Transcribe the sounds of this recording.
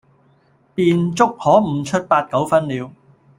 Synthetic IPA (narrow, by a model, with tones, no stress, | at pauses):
piː˨nt͡sʊ˥k̚hɔː˨˥m̩˨˩t͡ʃʰɵ˥t̚paː˧t̚kɐ˨˥wfɐ˥nliː˨˧w